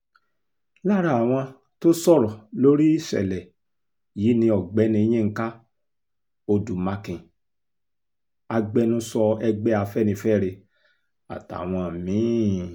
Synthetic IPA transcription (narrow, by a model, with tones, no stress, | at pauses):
la˦ɾa˦˨w̃ɔ̃˧ | to˦sɔ˦˨ɾɔ˨lo˦ɾi˦i˦˨ʃɛ̰˨lɛ˨ | ji˨˦nĩ˧ɔ˨ɡ͡bɛ˨˦nĩ˧e˧j̃ĩ˦ŋ̩˦ka˦ | o˧du˨mã˧kĩ˨ | a˧ɡ͡bɛ˦nũ˦sɔ˧ɛ˧ɡ͡bɛ˦a˧fɛ˦nĩ˧fɛ˦˨ɾe˧ | a̰˨ta̰˨w̃ɔ̃˧˨mĩ˨˦